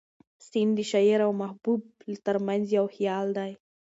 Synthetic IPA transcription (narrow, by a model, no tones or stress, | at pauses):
sind̪əʃaiɾawmahbub̚t̪əɾmanzjawxijɑld̪aj